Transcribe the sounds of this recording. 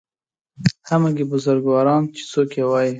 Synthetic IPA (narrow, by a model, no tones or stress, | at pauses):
hamaɡibʊzʊɾɡwɑɾɑnt͡ʃe̥t͡sokjewɑji